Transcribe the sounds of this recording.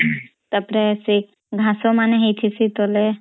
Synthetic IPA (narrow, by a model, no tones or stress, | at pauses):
t̪ɐpɾesi | ɡʱãsomaneɦit̪ʰisit̪ole